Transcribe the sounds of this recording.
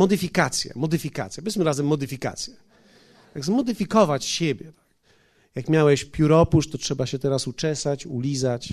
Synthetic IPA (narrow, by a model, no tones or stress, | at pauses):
ɔd̪ɘfʲikat̪sʲjɛ̰mɔd̪ɘfʲika̰t̪sʲjapɔvɛt͡s̪smɘɾazɛmːɔd̪ɘfʲika̰t̪sʲjɛ | t̪aɡzmɔd̪ɘfʲikɔvat͡ɕɕɛbʲjɛt̪ḁk | jakmʲjawɛɕpʲjuɾɔpuʂt̪ɔtʂɛbaɕɛt̪ɛɾasut͡ʂɛsat͡ɕulʲizat͡ɕ